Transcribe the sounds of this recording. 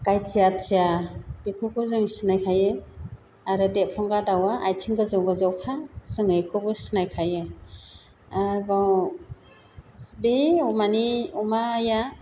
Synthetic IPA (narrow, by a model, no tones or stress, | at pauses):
kajtiatijab̥ikʰɯkʰɯzɯŋisinajkʰaje | aɾɯdepʰɔŋɡadawaʔajtʰiŋɡɯzɯwɡɯzɯwkʰasɯŋɯjkʰɯbɯsinajkʰaje | aɾbaw | sbeumaniumaja